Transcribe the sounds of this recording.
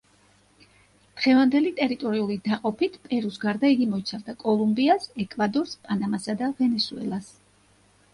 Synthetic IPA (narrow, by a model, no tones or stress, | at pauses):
d̪̥ʁɛvand̪ɛlit̪ʼɛɾit̪ʼɔɾiulid̪aqʼɔpʰit̪ʰpʼɛɾusɡaɾd̪aiɡimɔit̪sʰavd̪akʼɔlˠumbiasɛkʼvad̪ɔɾspʼanamasad̪avɛnɛsuɛ̰lˠas